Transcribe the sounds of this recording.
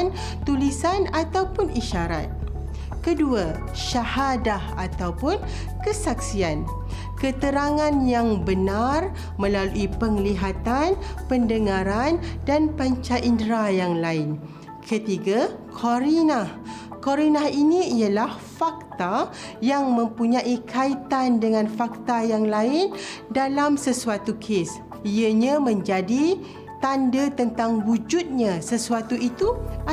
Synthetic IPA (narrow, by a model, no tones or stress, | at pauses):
n | t̪ulisanat̪awpʊniʃaɾa̰t̪̚ | kədua | ʃahadahat̪awpʊn | kəsak̚sian | kət̪əɾaŋãnjaŋbənar | mə̃laluʔipəŋliɦat̪anpəndəŋãɾandanpaɲt͡ʃaʔindɾajaŋlaɪn | kʰət̪iɡakʰoɾinah | koɾinaɦiniijalahfak̚t̪a | jaŋmə̃mpuɲãʔikʰait̪andəŋãnfak̚t̪ajaŋlaɪndalamsəsuat̪ukʰes | iəɲãmə̃ɲd͡ʒadi | t̪andət̪ənt̪aŋwud͡ʒut̪̚ɲãsəsuat̪uʔit̪ua